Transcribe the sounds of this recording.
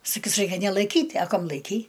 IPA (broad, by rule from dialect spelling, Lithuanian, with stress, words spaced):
sɐˈkʲiːs ˈrɐɪkʲɛ nʲɛlˠɐɪˈkʲiːtʲ ɐ ˈkɐm lˠɐɪˈkʲɛɪ